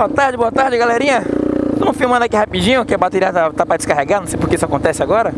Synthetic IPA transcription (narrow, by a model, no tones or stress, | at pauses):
oɐt̪aɾd͡ʒɪboɐt̪aɾd͡ʒɪɡaleɾĩɲɐt̪ɐ̃fĩmɐ̃d̪ɐakihapid͡ʒĩɲʊkɪabat̪eɾiɐt̪at̪apɾɐd͡ʒɪ̥skaɦeɡaɾnɐ̃w̃sejpoɾkeisʊakõnt̪ɛsɪaɡɔɾɐ